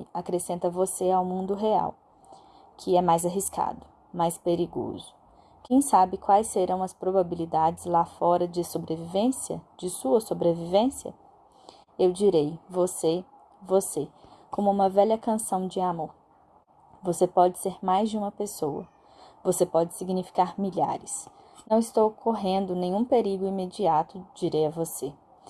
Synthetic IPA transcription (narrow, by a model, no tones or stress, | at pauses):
akɾesẽnt̪ɐvoseawmũnd̪ʊɦea̰w | kʰɪɛmajzaɦiska̰d̪ʊ | majspeɾiɡo̰zʊ̥ | kẽj̃sabɪkwajsseɾɐ̃w̃ɐspɾobabilid̪ad͡ʒɪzlafɔɾɐd͡ʒɪsobɾevivẽsiɐ̰d͡ʒɪsuɐsobɾevivẽsiɐ̰ | ewd͡ʒiɾejvose | vosekõmʊũmɐvɛʎɐkɐ̃sɐ̃w̃d͡ʒɪamoɾ | vosepɔd͡ʒɪseɾmajzd͡ʒɪũmɐpesowɐ̰ | vosepɔd͡ʒɪsiɡnifi̥kaɾmiʎa̰ɾɪs | nɐ̃w̃ɪst̪owkʰoɦẽnd̪ʊnẽɲ̃ũpeɾiɡʊimed͡ʒiat̪ʊd͡ʒiɾejɐvose